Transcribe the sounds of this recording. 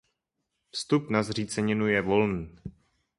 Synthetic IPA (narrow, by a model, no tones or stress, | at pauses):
fst̪upnazr̝iːt͡sɛɲɪnujɛvo̞lniː